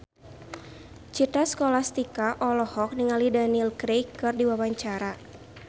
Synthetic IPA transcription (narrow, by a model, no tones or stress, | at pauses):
t͡ʃit̪askɔlast̪ikaʔɔlɔhɔk̚niŋalidanilkɾejkːɨrdiwawaɲt͡ʃaɾa